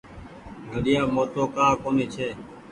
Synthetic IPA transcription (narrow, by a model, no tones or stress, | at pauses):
ɡʱəɗɪjãːmoːt̪oːkaːkoːniːt͡ʃʰeː